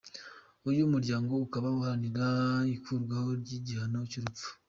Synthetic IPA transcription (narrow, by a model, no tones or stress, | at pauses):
ujumuɾɟaːŋɡo̞ukaβauhaniɾaikuɾɡwahoɾɟiɟihanociɾup͡fu̥